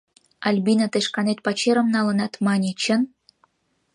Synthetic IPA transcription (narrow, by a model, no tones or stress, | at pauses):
ɑlʲbinat̪eʃkɑnet̪̚pɑt͡ɕeɾə̆mnɑlɤ̆nɑt̪mɑnʲit͡ɕə̆n